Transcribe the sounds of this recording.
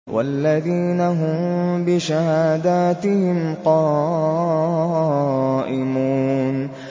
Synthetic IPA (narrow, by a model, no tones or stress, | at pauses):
wʔa̰lːaðiːnaɦʊmbɪʃahaːd̪aːt̪ɪhɪmqɑː | ʔɪmuːn